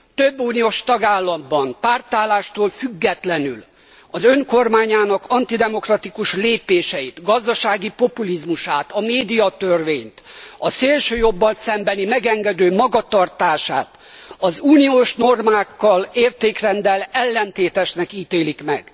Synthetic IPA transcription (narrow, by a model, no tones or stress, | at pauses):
t̪øbːuːnijoːʃt̪ɒɡaːlːɒmbɒnpaːrt̪aːlaːʃt̪oːlfyɡːɛt̪lɛnyl | ɒzøŋko̞rmaːɲaːnɒkɒnt̪id̪ɛmo̞krɒt̪ikuʃleːpeːʃɛjit̪ɡɒzd̪ɒʃaːɡipo̞pulizmuʃaːt̪ɒmeːd̪ijɒt̪ørveːɲt̪ɒseːlʃøːjo̞bːɒlsɛmbɛnimɛɡɛŋɡɛd̪øːmɒɡɒt̪ɒrt̪aːʃa̰ːt̪ | ɒzuːnioːʃno̞rmaːkːɒleːrt̪eːkrɛnd̪ɛlɛlːɛnt̪eːt̪ɛʃnɛkiːt̪eːlikmɛ̰ɡ̥